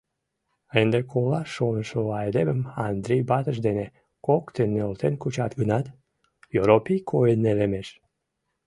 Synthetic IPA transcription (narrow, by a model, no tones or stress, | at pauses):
end̪ekʰolɑʃonʃoɑjd̪eməmɑnd̪ɾejbɑt̪əʃd̪ene | kokt̪enːeolt̪enkut͡ɕɑt̪ɡənɑt̪ | joɾopijkʰojenːelemeʃ